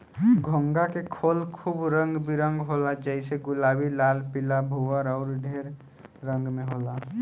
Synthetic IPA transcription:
ɡʱoŋɡakekʰoːlkʰuːbɾə̃ŋɡbʱiɾə̃ŋɡɦoːlad͡ʒɛɪseɡʊlaːbilaːlpɪlabʱuwəɾɔːɾɖʱeːɾː | ə̃ŋɡmẽɦoːla

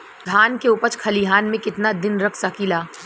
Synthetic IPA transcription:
ɡ̪ʱaːnkeuːpəɾt͡ʃkʰɐliɦaːnmẽkɪt̪nad̪ɪnɾɐkʰsakilaː

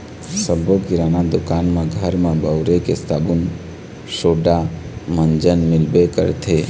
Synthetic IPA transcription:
səbokiɾaːnad̪ʊkaːnmẽɡʱəɾmãbəʊɾekḛst̪ʰaːbun | ʃoːɖamənd͡ʒənmɪlbekə̰ɾt̪ʰe

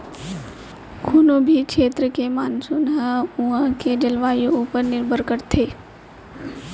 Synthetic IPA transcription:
kʰuːnõbʱikʃʰeːt̪ɾəkemaːnsʊnɦə̃ʊãked͡ʒɐlʋaːjouːpəɾnɪɾbʱəɾkəɾt̪ʰeː

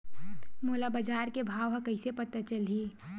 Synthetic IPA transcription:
moːlabəd͡ʒaːɾkebʱaːʋɦɐ̃kəɪsepət̪at͡ʃəlɦiː

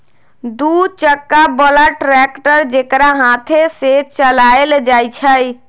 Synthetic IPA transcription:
d̪ut͡ʃəkːabəlaʈɾɛkʈəɾd͡ʒekɾaɦãt̪ʰeset͡ʃəlaeld͡ʒajt͡ʃʰəj

